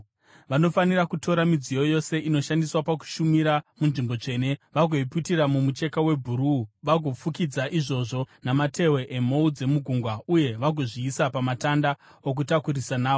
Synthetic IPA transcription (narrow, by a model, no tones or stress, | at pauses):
ʋano̞fanirakuto̞ɾamid͡zijo̞jo̞se̞ʔino̞ʃandiswapak̬u̥ʃumiɾamunʐimbo̞t͡ʂe̞ːne̞ʋaɡʱo̞ipitiramumut͡ʃe̞kawe̞bʱuɾuʋaɡʱo̞fukid͡zaʔiʐo̞ʐo̞namate̞we̞ʔemo̞ud͡ze̞muɡʱuŋɡwauje̞ʋaɡʱo̞ʐiːsapamatanda | ok̬utakuɾisanaːo